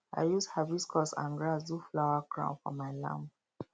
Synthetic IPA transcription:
a̰ɪjushaviskʰɔsã̰nɡɹasduflaʊakɹã̰ʊ̃nfɔ̰maɪlã̰mp

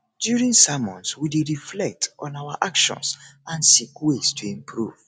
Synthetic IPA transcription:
djuɹĩŋsamɔ̃nswideɹiflɛk̚tɔ̃nawa̰ʔakʃɔ̰̃nsãnsikwestʰuĩmpʰɹṵv̥

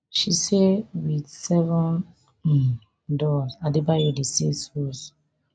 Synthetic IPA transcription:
ʃisewidsɛvɔ̃n̩ | dɔzadebajodesishos

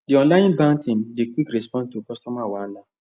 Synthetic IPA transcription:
diɔ̃nlajĩnbãntĩdikwikɾɛspɔ̃ntukɔstɔmawala

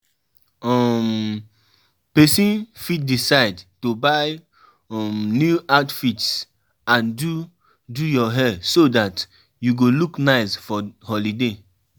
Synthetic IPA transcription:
ɔm | pɛsĩnfid̚disaɪdtobaɪ | ɔmnjuatfits | ãndu | dujɔɦɛsodat | juɡoluknaɪsfɔhɔlide

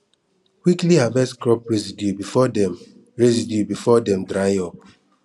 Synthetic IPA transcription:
kwiklihavɛskɹɔpɹɛzidjubifɔdɛm | ɹɛzidjubifɔdɛ̃mdɾajɔ

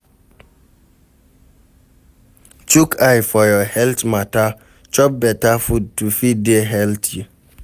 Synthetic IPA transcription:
t͡ʃukʰajfɔjɔhɛltmata | t͡ʃɔp̚bɛtafud̚tufideɦɛltʰi

